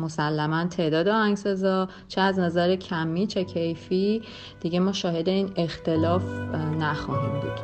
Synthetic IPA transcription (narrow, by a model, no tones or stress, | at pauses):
mo̞sælːæmænt̪ʰe̞ːd̪ɒːd̪eɒːhæŋɡsezɒː | t͡ʃʰeæznæzæɾecʰæmːiːt͡ʃʰe̞cʰejfi | d̪̥iɟe̞mɒːʃɒːhe̞d̪e̞iːne̞xt̪e̞lɒːfnæxɒːɦḭːmbṵːd̪̥